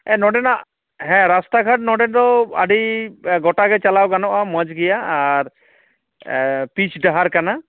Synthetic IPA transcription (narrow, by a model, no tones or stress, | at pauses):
ɛnɔɖɛnaʔ | ɦɛ̃ɾasʈaɡʱaʈ̚nɔɖɛnd̪ɔa̰ɖiɡɔʈaɡɛt͡ʃalawɡanɔʔamɔd͡ʒɡɛjaːɾ | pit͡ʃɖaɦaɾkana